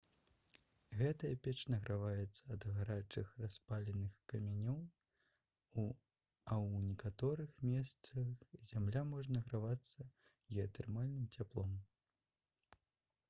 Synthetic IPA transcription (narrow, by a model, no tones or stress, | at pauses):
ɣɛt̪ɐjɐpʲɛt͡ʂnɐɣɾʔavajɛt̪sːɐːd̪ɣaɾat͡ʂɨxraspalʲɛnɨxkɐmʲanʲɔw | ɐwnʲɛkat̪ɔɾɨxmʲɛst̪sɐxzʲamlʲamɔʐɐnɐɣɾavat̪sːɐ | jɛɐt̪ɛrmalʲnɨmt͡sʲaplˠɔm